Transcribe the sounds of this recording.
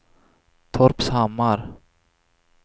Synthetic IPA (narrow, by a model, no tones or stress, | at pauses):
t̪ʰoɾpsaːmɑɾ